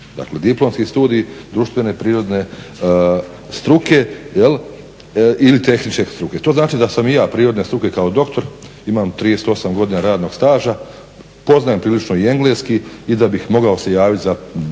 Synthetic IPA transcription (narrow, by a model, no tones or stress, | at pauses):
d̪a̰kle̞d̪iplˠo̞mskist̪uːd̪ijid̪ɾuʃt̪ʋe̞ne̞pɾiːɾo̞d̪ne̞ | st̪ɾuke̞jel | ilit̪e̞xnit͡ʃkest̪ɾuke̞t̪o̞ːznaːt͡ʃid̪asamijaːpɾiːɾo̞d̪ne̞st̪ɾuke̞kaod̪o̞kt̪o̞ɾ | imaːmt̪ɾiːjeset̪o̞samɡo̞d̪inaɾaːd̪no̞ɡst̪aːʒa | po̞znajempɾiːlit͡ʃno̞ie̞ŋɡleskiid̪abixmo̞ɡaose̞jaːʋit̪ʲza